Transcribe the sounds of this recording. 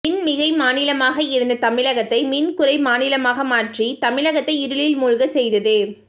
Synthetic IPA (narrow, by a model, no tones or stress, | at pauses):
ɪnmɪɣɐɪmaːnɪlɐmaːɣɐɪɾɯnd̪ɐt̪ɐmɪlɐɣɐt̪ːɐɪmɪnkʊɾɐɪmaːnɪlɐmaːɣɐmaːʈrit̪ɐmɪlɐɣɐt̪ːɐɪɪɾɯɭɪlmuːɻɣɐsɛjðɐðɯ